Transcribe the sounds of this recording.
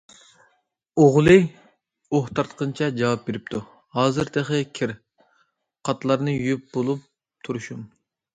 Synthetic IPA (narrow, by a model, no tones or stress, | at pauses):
oʁlˠɨ | oht̪ʰɑɾt̪qʰənt͡ʃʰɛd͡ʒɑwɑp̚beɾɪp̚t̪ʰu | hɑːzɨɾt̪ʰeχəkʲʰɪɾ | qʰɑt̪ʰlˠɑɾnɨjyjyp̚bolˠup̚ | t̪ʰuɾuʃum